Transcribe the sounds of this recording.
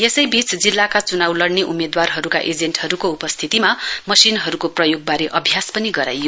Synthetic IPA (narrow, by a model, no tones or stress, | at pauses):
jesʌjbit͡sd͡zilːakat͡sunawlʌɽneʔumed̪warɦʌɾuka̰ʔed͡zenʈhʌɾukoupʌst̪ʰit̪imamʌsinɦʌɾukoprʌjoɡ̚baɾeʔʌbʱjaspʌniɡʌɾa̰jo